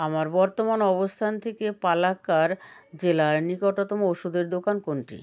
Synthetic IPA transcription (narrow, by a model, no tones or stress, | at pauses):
amaɾbɔɾt̪omanɔbost̪ʰant̪ʰekepalakaɾd͡ʑelaɾnikɔʈot̪ɔmooʃud̪eɾd̪okankoɳʈḭ